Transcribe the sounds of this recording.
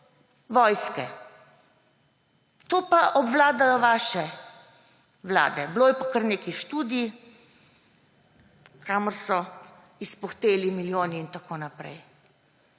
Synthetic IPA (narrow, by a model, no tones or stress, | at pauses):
ʋɔjskɛ | t̪oːpaʔɔbʋlaːd̪ajɔʋaːʃɛ | ʋla̰ːd̪ɛbloːjɛpakəɾneːkiʃt̪uːd̪ii | kʰaːməɾsɔ | ispɔxt̪eːlimiljoːniːnt̪akoːnapɾɛ̰j